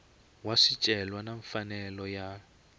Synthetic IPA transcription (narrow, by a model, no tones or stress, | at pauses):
waʂit͡ʃʼɛlwanaɱfanɛlɔja